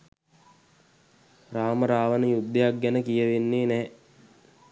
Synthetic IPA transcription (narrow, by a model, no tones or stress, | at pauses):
raːməɾaːʋənəjud̪ːejak̚ɡænəkijəʋenːeːnɛː